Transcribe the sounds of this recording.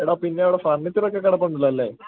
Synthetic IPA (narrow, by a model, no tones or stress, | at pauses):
iɽaːpinːeɐʋiɽefɐrɳːit̪ːinokːekːɐɽɐpːɐɳːilːɐɐlːeː